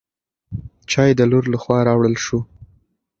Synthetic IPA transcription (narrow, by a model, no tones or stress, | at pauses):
t͡ʃɑjed̪əloɾlaxwɑɾɑwɽəlʃu